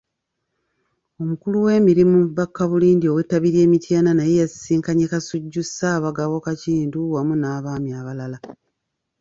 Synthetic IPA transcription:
o̞mukuluwe̞ːmiɾimuβakːaβuliːndio̞we̞taβiɾje̞ːmitjaːnanajejasiːŋkaɲekasuɟːusaːβaɡaβo̞kaciːnduwamunaːβaːmjaːβalala

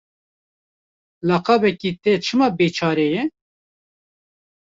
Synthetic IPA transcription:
lɑːqɑːbɛkit̪ɛt͡ʃʰɨmɑbeːt͡ʃʰɑːɾejɛ

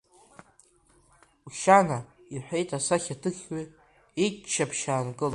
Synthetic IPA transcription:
uʃanaiħʷᶣe̞jtʰʼasaχʲatʰɨχʲwi | it͡ʃʰːapʰʃaːnɡʼɨl

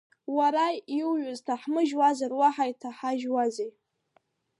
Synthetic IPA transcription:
waɾajiwɥʊztʰaħmɨʒwazarwaħajtʰaħaʒwazej

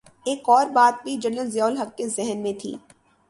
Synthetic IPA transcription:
eːkɔːɾbaːt̪̚bʱid͡ʒɐnənzjaːʊlɦɐkkezɛɦnmẽt̪ʰḭː

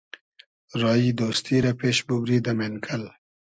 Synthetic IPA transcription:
ɾɑjid̪ost̪iɾapeʃbubɾid̪amenkʰəl

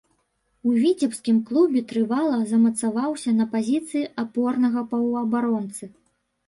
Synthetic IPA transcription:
uvʲit͡sʲɛpskʲimklˠubʲɛt̪ɾɨvalˠɐzɐmɐt̪savawsʲɐnɐpazʲit̪sɨjiapɔrnɐɣɐpɐwɐbaɾɔnt̪sɨ

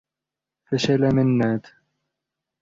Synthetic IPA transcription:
faʃalamɪnːaːt̪

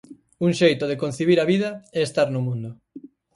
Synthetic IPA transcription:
uŋʃejt̪ʊðekon̟θiβiɾaβiðɐɛest̪aɾnʊmũnd̪ʊ

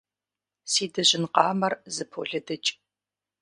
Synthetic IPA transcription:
siːdɐʑɪnqɑːmɐrzɨpʰo̰ːɮɐdɐt͡ʃʼ

